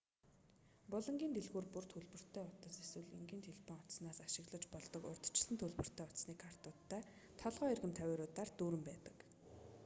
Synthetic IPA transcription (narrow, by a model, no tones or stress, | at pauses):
pʊɮɞ̆ŋɡʲiːnt̪eɮɣuːrpur̥t̪ʰɵɮpɵ̆r̥t̪ʰæːʊt̪ə̆t͡seswɘ̆ɮiŋɡiːnt̪ʰeɮpʰɔŋʊt̪snaːsaʃɪ̆ɣɮə̆t͡ɕpɔɮt̪ɞ̆kʊ̰rt̪̆ʰt͡ɕɪɮɘ̆nt̪ʰɵɮpɵ̆r̥t̪ʰæːʊt̪sniːkʰar̥t̪ʊːt̪ʰːæː | t̪ʰɔɮʁœːerɣə̆mt̪ʰæweːɾʊːt̪aːrt̪uːɾɘ̆mpæːt̪ə̥̆k